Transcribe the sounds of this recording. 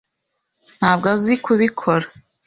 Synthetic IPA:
n̥haːbɡazikʰuβikʰoɾa

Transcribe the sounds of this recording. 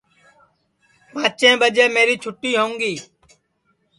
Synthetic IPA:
mãːt͡ʃẽːɓəd͡ʒeːmeːɾiːt͡ʃʰʊʈːiːɦõːŋɡiː

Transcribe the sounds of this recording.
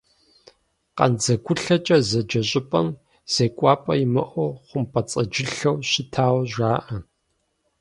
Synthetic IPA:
qɐ̰nd͡zɐɡʷʊɬɐt͡ʃʼɐzɐd͡ʒɐɕʼɪpʼɐm | z̥eːkʷʼaːpʼɐjimɨʔʷɔχʷʊmpʰʼɐt͡sʼɐd͡ʒɪɬɐwɕɪtʰaːwʒʷaːʔɐ

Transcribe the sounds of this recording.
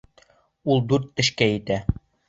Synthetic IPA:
ulˠd̪ʉɾt̪ːɘ̆ʃkæjɘ̆t̪æ

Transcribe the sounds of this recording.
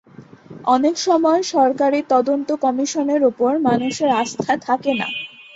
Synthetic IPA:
ɔnekʃɔmɔeʃɔɾkaɾit̪ɔd̪ont̪okɔmiʃoneɾupoɾmanuʃeɾast̪ʰat̪ʰakena̰

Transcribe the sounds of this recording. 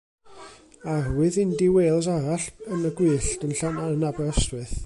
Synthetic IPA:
arwɨðɪndiweːlˠs̬aɾaɬənəɡwɨːɬdənɬanaənabɛɔstwɨθ

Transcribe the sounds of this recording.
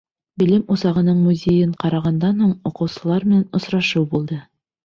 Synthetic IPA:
bɘ̆lɘmuzɑʁɤ̆nɤɴmuzʲejɘɴqɑɾɑʁɑnd̪ɑnhuɴuqɤ̆wsɤ̆lˠɑɾmɘ̆nænŏsɾɑʃɤwbulˠd̪ɤ

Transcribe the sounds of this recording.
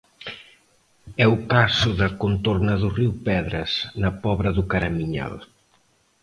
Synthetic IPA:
ɛukasʊðɐkont̪oɾnɐðuriwpɛðɾɐsnɐpɔβɾɐðukaɾɐmiɲa̰l

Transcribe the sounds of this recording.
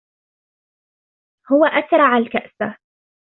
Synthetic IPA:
hʊwaʔat̪ɾˤɑʕalkaʔsa

